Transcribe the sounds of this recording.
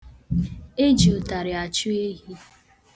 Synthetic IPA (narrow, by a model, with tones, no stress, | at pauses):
e˦d͡ʒi˨o˨ta˨ɾɪ˨a˨t͡ʃu˦e˦ɦi˦